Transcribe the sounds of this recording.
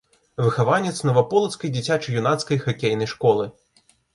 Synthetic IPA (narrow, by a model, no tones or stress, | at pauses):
vɨxavanʲɛt̪snɐvapɔlˠɐt̪skɐjd͡zʲit͡sʲat͡ʂɨjunat̪skɐjxakʲejnɐjʂkɔlˠɨ